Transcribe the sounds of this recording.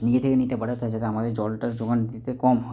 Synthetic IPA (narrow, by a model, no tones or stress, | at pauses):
nid͡ʑet̪ʰekenit̪ebəɽat̪ʰaed͡ʑat̪eamad̪eɾd͡ʑɔlʈaɾd͡ʑoɡand̪it̪ekɔmɦɔ